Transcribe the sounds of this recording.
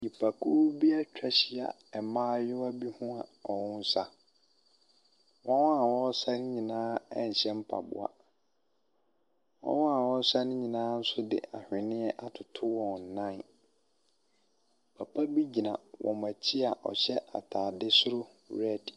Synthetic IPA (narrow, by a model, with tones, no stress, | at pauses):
ɲi˨pʰa˨kʰu˦bi˦a˦t͡ɕᶣɛ˦ɕɪ˦a̰˨ | ɛ˨mãː˦jʊ˦a˦bi˦hũ˦a˨ɔ˨wʊ̃˦n̩˦sa˦ | wɔ̃˦wã˦a˨wɔ̃˦sa˦nɪ̃˦ɲĩ˨nãː˦ɛ˦˨ɲ̩˨ɕɛ̃˦m˦pʰa̰˨bʊ̰˨a̰˨ | wɔ̰̃˦wã˦˨wɔ̃˦n̩˦sa˦nɪ̃˦ɲĩ˨nãː˦n̩˦sʊ˦dɪ̰˨ʔa̰˨hᶣɪ̃˨nɪ̃˦ɛ˦ʔa˨tʰʊ˨tʰʊ˦wɔ̃˨n˨n̩˨nã˦˨n˨ | pʰa˨pʰa˦bi˦d͡ʑi˨nã˨wɔ̰̃˨mã˨t͡ɕʰi˦a˨ʔɔ̰˨ɕɛ˦ʔa̰˨tʰaː˨dɪ˦sʊ˦ɾʊ˦ | ɾɛ˦˨d